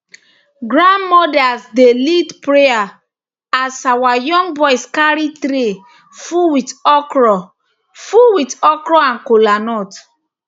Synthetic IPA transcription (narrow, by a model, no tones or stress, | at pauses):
ɡɹãnmɔdasdelitpɹea | asawajɔ̃ŋɡbɔjskaɹitɾe | fuwitɔkɹɔ | fuwitɔkɹɔãnkolanɔt